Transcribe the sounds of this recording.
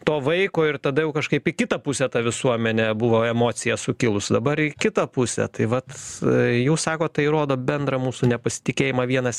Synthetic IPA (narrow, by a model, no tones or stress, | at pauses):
t̪oːʋɐɪkoːɪrt̪ɐd̪ɐjɛʊkɐʃkɐɪpɪkʲɪt̪ɐpʊsʲɛt̪ɐʋʲɪsuɔmʲɛnʲɛbʊʋoːɛmoːt͡ssʲɪjɛsʊkʲɪlˠʊsd̪ɐbɐɾɪkʲɪt̪ɐpʊsʲɛ̰t̪ɐɪʋɐt̪jɛʊsɑːkoːt̪ɐɪɾoːd̪oːbʲɛnd̪ɾɐmuːsunʲɛpɐsʲɪ̥t̪ʲɪkʲeːjɪmɑʋʲiɛnɐs